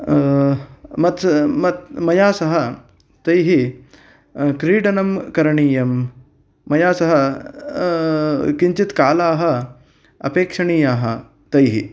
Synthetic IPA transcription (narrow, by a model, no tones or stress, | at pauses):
mɐt̪mɐt̪mɐjaːsɐɦɐ | t̪ɐjɦi | kɾiːɖɐnɐmkɐɾɐɳiːjɐmː | ɐjaːsɐɦɐ | kiɲt͡ʃit̪kaːlaːɦɐ̆ | ɐ̰peːkʂɐɳiːjaːɦɐ | t̪ɐjɦḭ